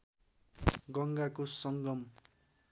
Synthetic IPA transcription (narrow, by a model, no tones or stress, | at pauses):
ɡʌŋɡakosʌŋɡʌm